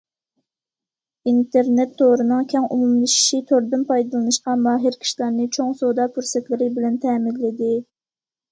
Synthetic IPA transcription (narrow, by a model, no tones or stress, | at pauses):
int̪eɾnɛt̪ʰːoɾɨnɨŋkʲʰɛŋumumlɨʃi̥ʃit̪ʰoɾd̪ɨnpʰɑjd̪ɨlˠɨnɨʃqɑmɑːɦɪɾkʲʰi̥ʃlˠɑɾnɨt͡ʃʰoŋsod̪ɑːpʰyɾsɛt̪lɪɾɪbɪlɛnt̪ʰɛːminlɪd̪ɪ